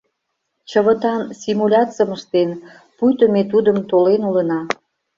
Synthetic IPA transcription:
t͡ɕəβə̆t̪ɑnsimulʲɑt͡səməʃt̪en | pujt̪omet̪ud̪əmt̪olenulənɑ

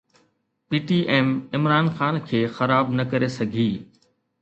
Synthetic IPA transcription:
piːʈiːʔeːmɪmɾaːnxaːnkʰeːxɐɾaːbnɐkɐɾesɐɡʱiː

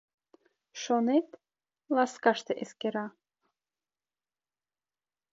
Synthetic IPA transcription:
ʃonet̪ | lˠɑskɑʃt̪eʔeskeɾɑ

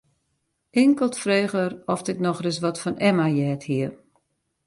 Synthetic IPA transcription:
ɪŋkəlˠtfreːɣərɔftɪknɔxrɪs̬ʋɔtfɔnɛmajɛːthiər

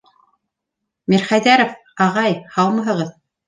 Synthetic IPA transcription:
miɾχæjðæɾof | ɑʁɑjhɑlˠmɤ̆ɦɤ̆ʁɤð

